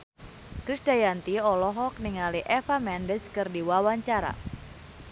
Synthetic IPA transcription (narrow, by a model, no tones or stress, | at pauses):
kɾisdajant̪iɔlɔɦɔk̚niŋaliʔɛfamɛndəskɨrdiwawaɲt͡ʃaɾa̰